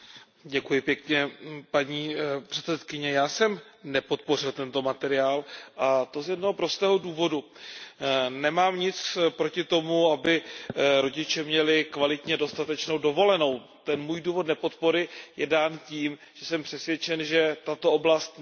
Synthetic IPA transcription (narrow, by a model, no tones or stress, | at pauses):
ɟɛkujɪpjɛkɲɛpaɲiːpr̥ɛt̪sɛt̪kɪɲɛjaːsɛmnɛpo̞t̪̚po̞rɪlt̪ɛnt̪o̞mat̪ɛɾɪaːlʔat̪o̞zjɛdnoɦopɾo̞st̪ɛːɦoduːvo̞du | nɛmaːmɲɪt͡spɾo̞cɪt̪o̞muabɪɾo̞ɟɪt͡ʃɛmɲɛlɪkvalɪt̪ɲɛdo̞st̪at̪ɛt͡ʃnowdo̞vo̞lɛno̞w | t̪ɛnmuːjduːvo̞dnɛpo̞t̪po̞ɾɪjɛdaːnciːm | ʒ̥ɛsɛmpr̥ɛsvjɛt͡ʃɛnʒɛt̪at̪ooblast̪